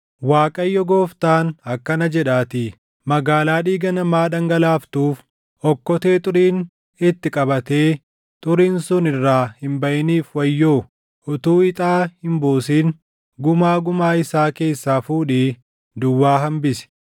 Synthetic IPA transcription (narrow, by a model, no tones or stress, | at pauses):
waːkʼɐjːɔɡoːft̪aːnɐkːɐnɐd͡ʒɛᶑaːt̪ɪ | mɐɡaːlaːᶑiːɡɐnɐmaːᶑɐŋɡɐlaːft̪uːf | ɔkːɔt̪e̞ːt̪ʼʊɾiːn | ɪt̪ːɪkʼɐbɐt̪eː | t̪ʼʊɾiːnsʊnɪrːaːhɪmbɐʔɪniːfwɐjːoː | ʊt̪uːɪt̪ʼaːhɪmbuːsiːn | ɡʊmaːɡʊmaːɪsaːke̞ːsːaːfuːᶑiː | d̪ʊwːaːɦɐmbɪsɛ̥